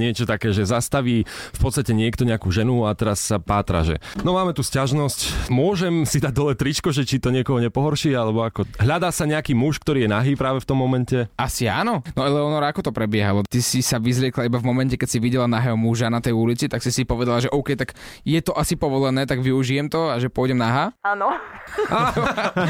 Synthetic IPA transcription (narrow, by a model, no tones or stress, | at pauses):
ɲɪɛt͡ʃɔt̪akɛːʒɛzast̪aʋiːfpɔt̪st̪acɛɲɪɛkt̪ɔɲɛakuːʒɛnuat̪ɛɾassapaːt̪ɾa̰ʒɛ̰nɔmaːmɛt̪uːscaʒnɔscmʊɔʒɛmsid̪aɟ̚d̪ɔlɛt̪ɾit͡ʃkɔʒɛt͡ʃit̪ɔɲɪɛkɔɦɔɲɛpɔɦɔɾʃiːalɛbɔakɔɦʎad̪aːsaɲɛakiːmuʃkt̪ɔɾiːjɛnaɦiːpɾaːʋɛft̪ɔmːɔmɛncɛasia̰ːnɔnɔɛlɛɔnɔɾaakɔt̪ɔpɾɛbɪɛɦalɔt̪isisaʋizlɪɛklaibavmɔmɛncɛkɛcsiʋiɟɛlanaɦɛɦɔmuʒanat̪ɛjulit͡sit̪aksisipɔʋɛd̪alaʒɛʔɔʊkɛjt̪aɡ | jɛt̪ɔʔasipɔʋɔlɛnɛːt̪aɡʋiuʒijɛmt̪ɔaʒɛpʊɔjɟɛmnaɦaaːnɔa